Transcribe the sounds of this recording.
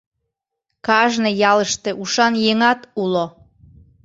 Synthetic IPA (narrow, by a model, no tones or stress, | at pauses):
kɑʒnejɑləʃt̪ĕʔuʃɑnjeŋɑt̪ulo